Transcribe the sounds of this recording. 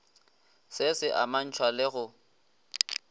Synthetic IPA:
sɪsɪʔa̰man̩t͡ʃʰwalɪɣʊ

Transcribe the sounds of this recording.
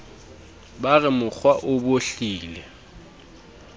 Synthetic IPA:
barɪmʊk͡xʰwaʔʊboɬiːlɛ

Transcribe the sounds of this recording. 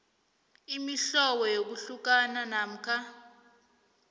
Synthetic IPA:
imiɬɔwɔjok̬uɬuk̬ananam̩kʰa

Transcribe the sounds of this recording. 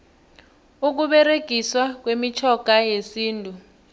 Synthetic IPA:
uk̬uɓɛreɡ̥ʱiswak̬wemit͡ʃʰɔɡ̥ʱajesiːntʼu

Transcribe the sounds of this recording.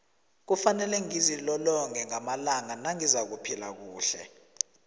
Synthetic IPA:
k̬ufanɛlɛŋizilɔlɔŋɛŋamalaŋanaŋizak̬upʰila̰k̬uːɬɛ̰

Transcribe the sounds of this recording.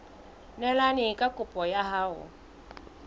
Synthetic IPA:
nɛlanɪkʼakʼʊpʼɔjaɦaːʊ̰

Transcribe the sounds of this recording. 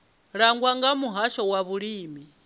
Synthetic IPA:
ɺaŋɡwaŋɡamuɦaʃɔwaβuɺiːmi

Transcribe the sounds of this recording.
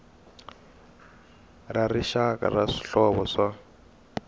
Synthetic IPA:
rariʃaka̰raʂi̥ɬɔβɔʂa

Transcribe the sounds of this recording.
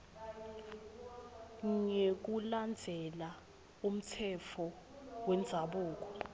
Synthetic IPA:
ŋek̬uland͡zʱɛla | um̩tʰɛfʰɔ | wɛnd͡zʱaɓuːk̬ɔ̥

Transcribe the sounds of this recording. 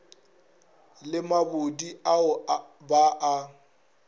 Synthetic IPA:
lɪmabʊdiaʊbaʔa

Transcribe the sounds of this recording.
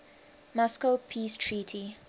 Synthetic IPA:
mɔskəpʰiːstʰɹiːtʰi

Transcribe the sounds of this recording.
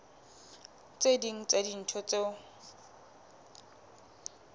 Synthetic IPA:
t͡sʼediŋ̩t͡sedin̩t͡ʃʰɔt͡sʼeʊ

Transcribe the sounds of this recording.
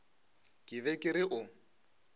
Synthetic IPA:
kʼɪβɛkʼɪɾɪʔʊ

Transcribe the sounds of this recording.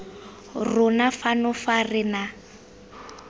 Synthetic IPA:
rʊnafanʊfarɪna

